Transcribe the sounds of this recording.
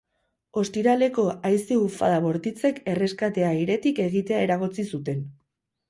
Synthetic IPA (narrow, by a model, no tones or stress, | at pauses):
o̞st̪iɾale̞ko̞ajsiufa̰ðaβo̞ɾt̪it͡se̞ke̞re̞skat̪e̞aiɾe̞t̪ike̞ɣ̞it̪e̞ae̞ɾaɣ̞o̞t͡sisut̪e̞n